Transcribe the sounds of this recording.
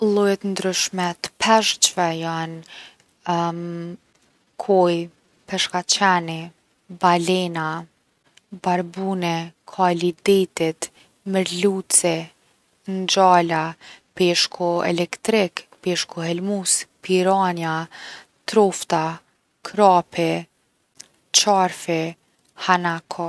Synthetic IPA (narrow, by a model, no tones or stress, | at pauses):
lˠɔjɛt̪nd̪ɾyʃmɛt̪ə̥pʰɛʃt͡ɕvɛjan | kʰɔj | pɛʃkat͡ɕɛni | balɛna | baɾbunɛkʰalid̪it̪it̪ | məɾlut͡sɛ | nd͡ʑalapɛʃkʰɔɛ̰lɛkt̪ɾikpɛʃkɔɦɛlmuspiɾanja | t̪ɾɔft̪a | kʰɾapʰɛ | t͡ɕaɾfɛ | hanakʰɔ